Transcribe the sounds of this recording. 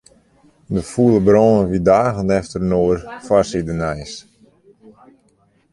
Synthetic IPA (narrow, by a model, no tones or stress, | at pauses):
dəfulˠəbrɔːnəʋidaːɣənɛftərnoːrfasidənɛjs